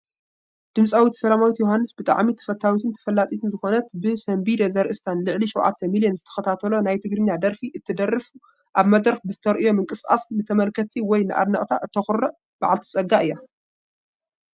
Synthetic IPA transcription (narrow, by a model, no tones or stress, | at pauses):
d̪̥ɨmsʼawit̪sɐlamawit̪joɦanːɨsbɨt̪ʼa̰ʕmit̪ʰɐ̥fɐt̪ʰːawit̪ʰɨnt̪ʰɐ̥fɐlːat̪ʼit̪ʰɨnzɨxo̞nɐt̪bɨsɐmbid̪ezɐɾʔɨst̪ʰanlɨʕliʃuwʕa̰t̪ʰːɐmilijonzɨt̪ʰɐ̥xɐt̪ʰat̪ʰɐlo̞najt̪ʰɨɡɾɨnːad̪ɐɾfiʔɨt̪ʰːɨd̪ɐrːɨfu | ʔaβmɐd̪ɾɐxbɨzɨt̪ʰɐɾʔɨjo̞mɨŋkʼɨskʼa̰snɨt̪ʰɐmɐlkʰɐt̪ʰiwɔjnɨʔa̰d̪nɐʔʼt̪ʰaʔɨt̪ʰːɐxɨɾɐ | b̥aʕalt̪ʰi̥sʼɐɡaʔɨjːa